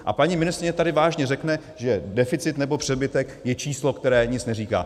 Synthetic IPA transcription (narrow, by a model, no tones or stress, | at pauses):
ʔa̰paɲimɪnɪst̪ɾɪɲɛt̪adɪvaːʒɲɛrɛknɛ | ʒɛdɛfɪt͡sɪt̪nɛbo̞pr̝̥ɛbɪt̪ɛkjɛt͡ʃiːslo̞kt̪ɛɾɛːɲɪt͡snɛriːka̰ː